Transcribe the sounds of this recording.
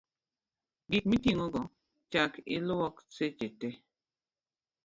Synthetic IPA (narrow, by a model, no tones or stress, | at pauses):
ɡik̚mitiŋoɡɔ | t͡ʃakɪ̰lɔkset͡ʃete